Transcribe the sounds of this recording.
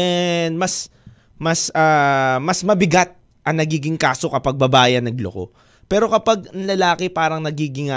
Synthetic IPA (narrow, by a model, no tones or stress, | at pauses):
ɛnmɐs | mɐsaːmɐsmɐbɪɡat̪̚ | ʔɐŋnɐɡiːɡɪŋkaːso̞kɐpɐɡ̚bɐbaːjɐnːɐɡlo̰ko̞̰ | pɛːɾo̞kɐpɐɡ̚lɐlaːkɪpaːɾɐŋnɐɡiːɡɪŋɐ